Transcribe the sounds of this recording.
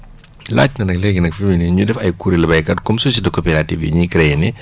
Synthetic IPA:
la̰ːt͡ʃːnɐnɐklɛɡinɐkfiminiɲudɛfɐjkuɾilɛbɐjkɐtkɔmsosidɐkɔpɛɾativḭɲikɾɛjni

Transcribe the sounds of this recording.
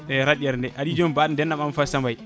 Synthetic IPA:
ɛɾaɗiɛɾndɛʔaɗid͡ʒɔmbaːɗndɛnːamamfasambaj

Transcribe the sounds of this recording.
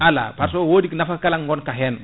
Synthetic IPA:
ala̰paɾsowoːdiknafakalaŋɡɔnkaɦɛnb

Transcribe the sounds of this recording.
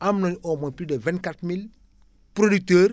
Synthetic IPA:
amnɔɲomoplidevɛ̃ntkatmil | pɾodik̚təːɾ

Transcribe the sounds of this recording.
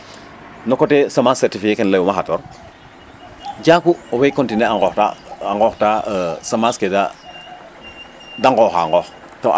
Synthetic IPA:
nɔkɔtesamasɛɾtifikekɛnlajumaxatɔɾ | ɟaːkuowekɔntineaŋɡɔta̰aŋɡɔxtaəsamaskeda | daŋɡɔxa̰ŋɡɔx | to

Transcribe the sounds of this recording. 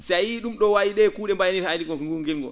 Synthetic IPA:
sajiɗumɗɔwawiɗɛkuːɗɛmbajniɾaɗiɡɔŋɡuŋɡilŋɡɔ̰

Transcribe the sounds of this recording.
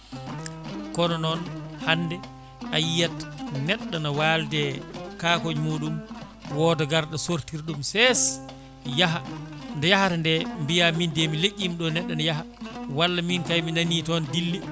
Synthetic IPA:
kɔnɔnɔnhanːdɛ | ʔajːatnɛɗːanawaldɛkaːkoɲmuːɗum | wɔːdɔɡaɾɗɔsoɾtiɾɗumsɛs | jaɦandɛjahaɾndɛmbijamindemileʔʲːimɗɔnɛɗːanajaɦa | walːaminkajminanitɔndilːi

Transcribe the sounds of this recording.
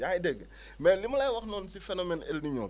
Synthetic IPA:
jajdɛɡ | mɛlimlajwɐxnɔːnsifɛnomɛnɛ̰lniɲɔ̰ː

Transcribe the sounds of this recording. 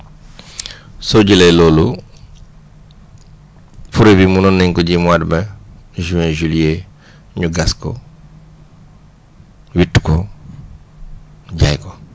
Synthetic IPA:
soɟilɛjloːlu | fuɾebimunɔnːiɲkɔɟimuadmɛʒuwɛ̃ʒulie | ɲuɡaskɔ̰ | witːkɔ | ɟajkɔ

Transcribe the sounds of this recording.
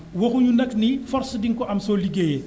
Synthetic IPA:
wɐxuɲunɐknifɔrsdiŋkɔʔɐmsɔːliɡejɛ

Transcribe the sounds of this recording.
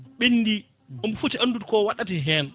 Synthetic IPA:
ɓinːdi | ɔmfutiʔanːdutkɔwaɗatiɦɛn

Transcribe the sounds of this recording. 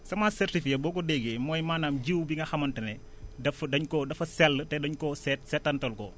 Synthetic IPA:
sɐmaːsɛrtifiɐbɔːkɔdɛɡemɔːjmaːnaːmɟiwbiŋɡɐxɐmɐntɐnɛ | dɐfdɐɲkɔdɐfɐsɛlːətɛdɐɲkɔsɛtsɛtːɐntɐlkɔ

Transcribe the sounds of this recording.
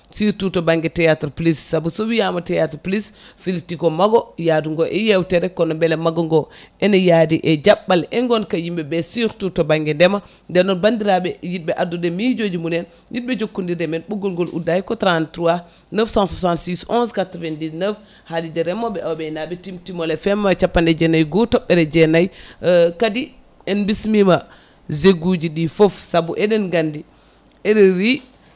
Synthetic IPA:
siɾtutobaŋɡɛtɛjatɾplisːabusowijamatɛjatɾplisfiltikomaɡojaduŋɡoʔɛjewteɾɛkɔnbɛlemaɡoŋɡoɛnejadiʔed͡ʒaɓːalɛŋɡonkajimbɛbɛsiɾtutobaŋɡɛndɛma | dɛnɔnbandiɾabɛjit̚bɛʔadudemid͡ʒod͡ʒimunen | jit̚bɛd͡ʒokːundiɾdɛmɛnɓɔɡɔlɡɔlʔṵdajkɔtɾantɾua | nəfsãnsasantsisɔ̃nskatɾvɛndisnəf | hadidɛɾɛmɔbɛawabɛnabɛtimtimɔlɛfɛmːat͡ʃapːandɛd͡ʒɛnajɡutɔɓːɛɾɛd͡ʒɛnajkadi | ɛnbismima | zeɡud͡ʒiɗifɔfsabuʔɛdɛnɡandi | ɛɗɛɾi

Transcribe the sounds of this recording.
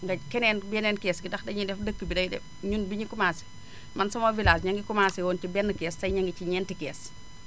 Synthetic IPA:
ŋɡɐkɛnɛːnbɛnɛːnkɛːsɡidɐxdɐɲidɛfdəkːəbidɐjidɛ̰f | ɲunbiɲikumaːsi̥ | mɐnsɔmovilaːsɲaŋɡikumaːsiwɔːnt͡ʃibɛnːəkɛːssɐjɲaŋɡit͡ʃiɲɛːntikɛːs

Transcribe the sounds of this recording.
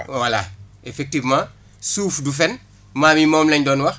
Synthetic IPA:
wala̰efek̚tivmã | suːfdufen | maːmimoːmleɲdɔːnwɐx

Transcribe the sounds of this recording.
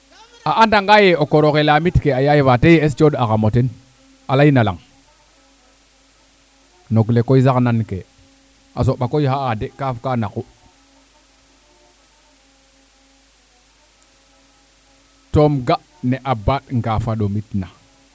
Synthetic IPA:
aʔandaŋɡajeokoɾokelamitkeajajevatejeest͡ʃoɗakamoten | alainala̰ŋ | noɡlekoizaknankḛ | a̰s̬oɓakojhaadekafkanaku | tomɡa | neʔabatŋɡafaɗomitna

